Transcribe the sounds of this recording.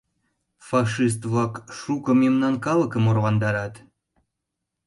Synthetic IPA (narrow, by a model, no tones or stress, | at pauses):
fɑʃis̬t̪βlɑkʃukə̆memnɑnkɑləkəmorβɑnd̪ɑɾɑt̪